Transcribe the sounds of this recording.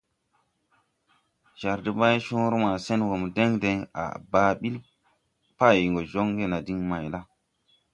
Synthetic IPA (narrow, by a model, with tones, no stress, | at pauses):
ʒa˨ɾdi˦ba˦jʃu˦ɾma˨se˦nwo˨m˨de˦ŋde˨ŋa̰˨ba˨ɓi˦l | pa˦˨jŋɡo˨d͡ʒo˦ŋɡe˦na˨di˦ŋma˨jla˦